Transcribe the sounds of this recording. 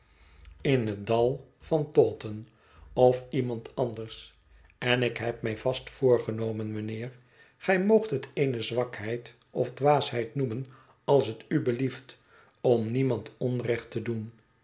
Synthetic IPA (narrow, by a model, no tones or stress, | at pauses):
ɪnɦədɑlˠ | fɑntɔːtən | ɔfimɑntɑndəɹs | ɛnɪkɦɛp̚mɛjvɑstfʊːɹχənowmənmənɪːɹ | χɛjmowχtɦətejnəzʋɑkɦɛjt | ɔvdʋaːsɦɛjtnumən | ɑlˠsɦətybəlift | ɔmnimɑntɔnrɛχtədun